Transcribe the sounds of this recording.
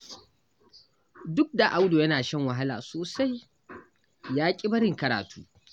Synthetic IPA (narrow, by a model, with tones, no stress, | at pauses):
dʊ˦k̚da˨ʔa˦wdoː˨jɐ˦naː˨ʃɛ˦ŋwɐ˨ɦa˦la̰ː˨soː˨sa˦j | jaː˦kʲʼɪ˦bɐ˦ɾɪ˦˨ŋkɐ˨ɾa̰ː˨tʰṵː˦